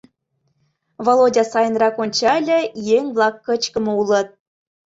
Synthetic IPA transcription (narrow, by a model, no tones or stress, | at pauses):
volˠodʲɑsɑjə̆nrɑkonʲt͡ɕɑlʲə̆jeŋʲβlˠɑkːə̆t͡ɕkə̆mɤ̆ulˠɤ̆t̪̚